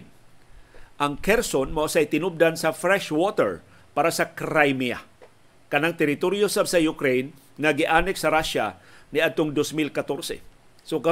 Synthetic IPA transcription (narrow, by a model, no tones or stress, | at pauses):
ʔaŋkɛɾsonmaʔʊsajt̪ɪnʊb̚d̪ansafɾɛʃwot̪ɛ̰ɹ | paɾasakɾajmia̰ | kɐnaŋt̪ɛɾɪt̪oɾjosabsajʊkɾejn | ŋaɡɪʔaːnɛksɐɾaʃa̰nɪad̪̚t̪ʊŋd̪osmilkat̪oɾsɛ̰ | soka